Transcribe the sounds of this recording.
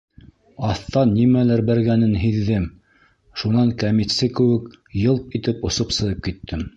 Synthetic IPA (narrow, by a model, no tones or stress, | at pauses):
ɑθt̪ɑnːimælæɾbæɾɡænɘnɦiðːɘm | ʃunɑŋkamit̪sɘkɘ̆wɘkjɤlˠp̪it̪ɘpŏsopsɤ̆ðɤp̚kit̪ʰːɘm